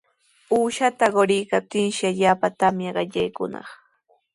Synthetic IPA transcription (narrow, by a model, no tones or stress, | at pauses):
uːʃat̪aɢoɾɪjkap̚t̪ɪnʃɪaʎaːpat̪amjaɢɑʎajkʊnɑ̰χ